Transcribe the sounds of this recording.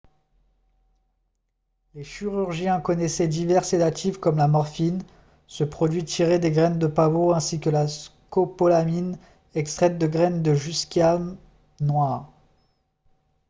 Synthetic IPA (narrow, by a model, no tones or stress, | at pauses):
leʃiʁyʁʒjɛ̃kɔnɛsɛd̪ivɛʁsenat̪ʰifkɔmlamɔʁfin | səpχɔd̪ɥit̪ʰiʁed̪eɡʁɛnd̪əpavoɛ̃sikəlaskopɔlamin | ɛkst̪χɛt̪̚d̪əɡʁɛnd̪əʒyskʲam | nwaʁ